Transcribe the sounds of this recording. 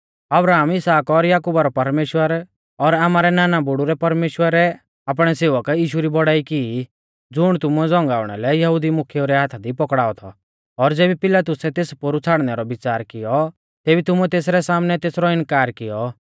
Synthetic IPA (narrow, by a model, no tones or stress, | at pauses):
ɐbɾaːmɪsaːkɔɾjaːkubaɾɔpɐɾmeːʃwəɾ | ɔɾaːmaːɾɛnaːnabʊɽuɾɛpɐɾmeːʃwəɾɛ | aːp̬ɽ̃ɛseːʋəkjiːʃuɾibɔɽaːiki | d͡zʊɽ̃t̪ʊmuɛd͡zɔ̃ŋɡaːʊɽ̃ɛ̰lɛjɐɦʊd̪imʊkʰjeuɾɛɦaːt̪ʰad̪ipɔkɽaːɔt̪ʰɔ̰ː | ɾd͡zeːbipɪlaːt̪ʊsɛt̪eːspoɾut͡sʰaːɽnɛɾɔbɪt͡saːɾkɪjɔ | t̪ɛːbit̪ʊmuɛt̪eːs̬ɾɛsaːmnɛt̪eːsɾɔɪnkaːɾkɪjɔ